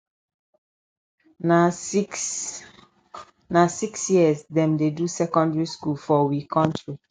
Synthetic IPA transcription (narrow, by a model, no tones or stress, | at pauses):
nasiksjiəsdɛ̃mdedusɛkɔ̃ndɹiskulfɔwikʰɔ̃ntɹi